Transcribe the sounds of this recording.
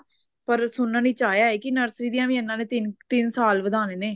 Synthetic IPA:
pəɾsʊnːãːnĩːt͡ʃaːjaːɛːkɪnəɾsɾiːd̪ijãːʋĩːənːãːneːt̪ɪnt̪ɪnsaːlʋəd̪aːneːneː

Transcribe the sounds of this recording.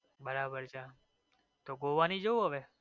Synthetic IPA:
bəɾabəɾt͡ʃʰa | t̪oɡoʋanid͡ʒowɦaʋe

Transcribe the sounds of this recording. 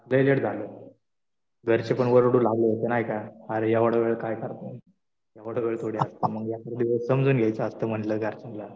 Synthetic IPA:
ləjleʈd͡zʱaləː | ɡʱəɾt͡ɕepəɳʋəɾoɽuːlaɡləːt̪enaɦjkaəɾejaʋəɽəʋeɭkajkəɾt̪ne | jaʋəɽ̤əʋeɭt̪ʰoɽjaəst̪əməɡjakəɾed̪iʋəssəmd͡zʱuːnɡʱjajt͡səəst̪əːm̤əɳʈləːɡʱəɾt͡ɕənla

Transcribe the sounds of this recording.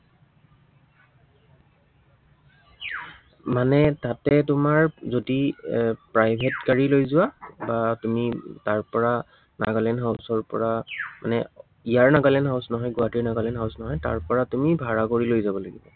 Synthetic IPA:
manɛtatɛtʊmaɹzodipɹajbʱetkaɹilojzʊwabatumitaɹpɔɹa | na̰ɡalɛnɦaʊsɔɹpɔ̰ɹama̰nɛ | ijaɹnaɡalɛnɦawsnɔɦɔjɡʊatiɹnaɡalɛnɦaʊsnɔɦɔjta̰ɹpɔɹatumibʱaɹakoɹilojzabɔlaɡibɔ

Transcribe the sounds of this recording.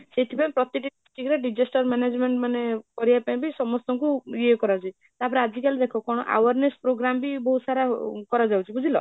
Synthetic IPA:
seʈʰipaĩpɾɔt̪iʈisʈikɾeɖid͡ʒesʈɔɾmened͡ʒmeɳʈmanekɔɾibapaĩbisɔmɔst̪ɔŋkujekɔɾawt͡ʃʰi | t̪apɔɾead͡ʒikaled̪ekʰɔkɔɽ̃ɔ̰ʔa̰waɾnespɾoɡɾambibɔɦusaɾakɔɾad͡ʒawt͡ʃʰibud͡ʒʱilɔ

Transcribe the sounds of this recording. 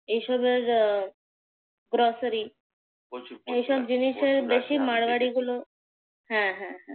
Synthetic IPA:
eʃɔbeɾ | ɡɾɔsəɾi | eʃɔbd͡ʑiniʃeɾbeɕimaɽʋaɽiɡulo | ɦãɦɛ̃ɦɛ̃

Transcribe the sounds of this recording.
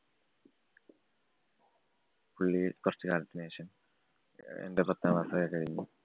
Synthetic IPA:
puɭːikurɐt͡ɕːɨkaːlɐt̪ːineːɕɐm | ḛndeprɐt̪ːɐʋaːsɐɣɐkɐɻiɲːu

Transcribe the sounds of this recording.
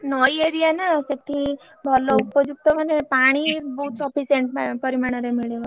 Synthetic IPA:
nɔjeɾijanaseʈʰi | bʱɔlɔupɔd͡ʒuk̚t̪ɔmanepaɽ̃ibɔɦut̪sɔpʰiseɳʈpɔɾimaɽ̃ɔɾemiɭeʋɔ

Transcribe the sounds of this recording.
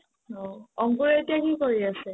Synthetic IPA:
ɔɔŋkuɹeetijakikoɹiasɛ

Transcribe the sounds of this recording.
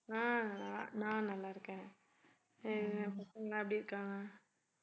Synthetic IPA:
ãːlanãːnɐlːaːɪɾɯkːẽː | pɐt̪ɐŋɡɐnãːɐp̬ːɐɽiɾɯkːãːŋa

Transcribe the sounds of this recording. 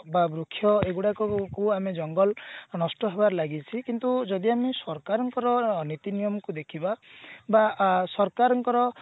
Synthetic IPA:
babɾukʰːjɔeɡuɽakɔkuamed͡ʒɔŋɡɔlnɔsʈɔɦebaɾlaɡit͡ʃʰikint̪ud͡ʒɔd̪iamesɔɾkaɾɔŋkɔɾɔnit̪inijɔmɔkud̪ekʰibabasɔɾkaɾɔŋkɔɾɔ

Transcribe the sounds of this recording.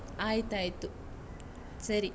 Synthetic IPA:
aːjit̪aːjit̪ːu | sɐɾi

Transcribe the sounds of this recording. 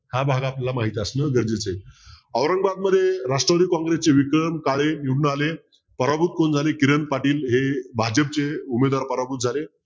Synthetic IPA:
ɦabʱaɡaplalamaɦit̪iasnəɡəɾd͡ʑet͡se | əʋɾəŋɡbad̪məd̪ʱːjeɾaʂʈɾəʋəɽiːkɔ̃ŋɡɾest͡seʋikɾəmkaɭeniuɽɳəale | pəɾabut̪̚kond͡zʱalekiɾənpaʈiːlɦebʱad͡ʑəp̚t͡seumed̪ʋaɾpəɾabut̪̚d͡zʱale

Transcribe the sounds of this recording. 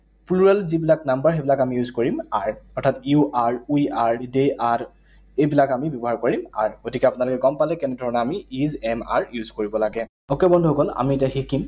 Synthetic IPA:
pluɹɛlzibilaknambaɹxejbilakamijuzkoɹimaɹɔtʰatjuʔaɹujaɹdeʔaɹ | ejbilakamibjɔbɔɦaɹkoɹima̰ɹɡotikɛapʊnalɔkɛɡɔmpalɛkɛnɛdʱɔɹɔnɛamiizɛma̰ɹjuzkoɹibɔlaɡɛ | okebɔndʱuokɔla̰mietaxikim

